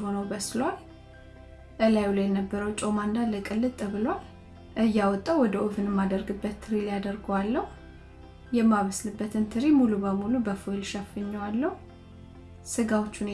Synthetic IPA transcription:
honəwbəslwal | ʔəlajulajɛnəbːəɾəwt͡ʃʼomand̪aləkʼɨlːɨt̪ʼɨβɨlwal | ʔɨjːawɔt̪ʼːəwɔd̪əʔofɨnɛmːad̪əɾɡɨbːət̪ʰːɨɾiljad̪əɾɡowalːəhu | jɛmːaβəslɨbːət̪ʰɨnt̪ʰɨɾimulubəmulubəfolʃafːɨɲːwalːəhu | sɨɡawot͡ʃːun

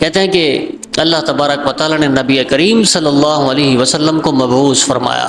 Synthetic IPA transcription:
kɛɦt̪eɦɛ̃ke | ɐlːaɦt̪ɐbaːɾəkʋɐt̪aːlanenɐbiekɐɾiːmsɐlːɐlːɑːɦʊɐleːɦiʋɐsɐlːəmkomɐbɦuːzfɐɾma̰ːja̰ː

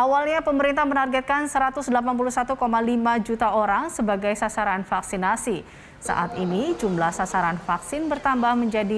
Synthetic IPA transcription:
ʔawalɲapəməɾint̪ahmənarɡɛt̪̚kansəɾat̪ʊsdəlapanp̬uluhsat̪ukomalimad͡ʒut̪aoɾaŋsəbaɡajsasaɾanfaksinasi | sa̰ʔa̰t̪inid͡ʒumlahsasaɾanfaksɪnbərt̪ambahməɲd͡ʒadi

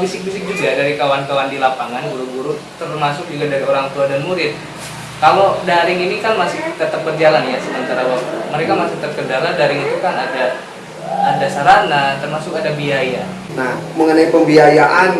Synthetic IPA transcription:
bisɪk̚bisɪk̚d͡ʒuɡadaɾikawankawandilapaŋanɡuɾuɡuɾut̪ərmasʊk̚d͡ʒuɡadaɾioɾaŋt̪uadamuɾɪt̪̚ | kalodaɾɪŋinikanmasɪht̪ət̪əp̚bərd͡ʒalanjasəmənt̪aɾawat̪uməɾekamasɪt̪ərkədaladaɾɪŋit̪ukanadaː | dasaɾanat̪ərmasʊkadabiaja | nahməŋənaipəmbiajaʔan

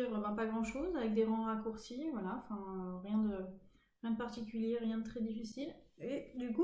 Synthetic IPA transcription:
iʁbɛ̃paɡʁɑ̃ʃozavɛk̚d̪eʁɑ̃ʁakuʁsivwalaɑ̃fɛ̃øʁjɛ̃d̪ə | ʁjɛ̃d̪əpaʁt̪ik̬ʲyljeʁjɛ̃d̪ət̪χɛd̪ifisiled̪yku

